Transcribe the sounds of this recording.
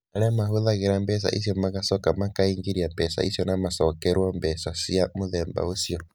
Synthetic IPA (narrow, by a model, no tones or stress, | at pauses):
aɾɛamahoðaɣeɾambɛs̬a̰ʔḭsjɔmaɣasɔkamakaiŋɡiɾiambɛsa̰ʔisjɔnamasɔkɛɾwɔmbɛsasiamoðɛmba̰osiɔ